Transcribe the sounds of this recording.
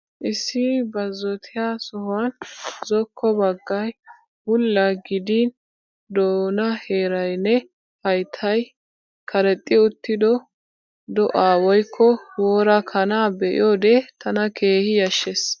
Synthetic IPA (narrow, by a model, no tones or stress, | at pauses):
ʔɪsːɪbɐzːɔt̪ʰɪjaːsɔhanzɔkʰːɔbɐɡːɐj | bʊlːɐɡɪd̪in | d̪oːnɐheːɾɐjnːɛ | hɐjt̪ʰɐj | kʰɐɾɛt̪ʼːɪʊt̪ːɪd̪ɔ | d̪ɔʔaːwɔjkʰːɔwoːɾɐkʰɐnaːbɛʔɪ̰joːd̪ɛt̪ʰɐnɐkʰe̞ːhɪjɐʃːes